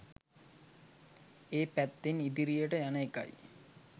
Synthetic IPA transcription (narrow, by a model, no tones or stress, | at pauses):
eːpæt̪ːenid̪iɾijəʈəjanəeka̰j